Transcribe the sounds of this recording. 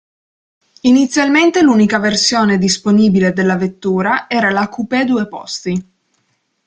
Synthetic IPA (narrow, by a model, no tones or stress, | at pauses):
init̪sːjalment̪eluːnikaversjoːned̪isponiːbiled̪elːavet̪ːuːɾaɛːɾalakupɛd̪uepɔ̰st̪i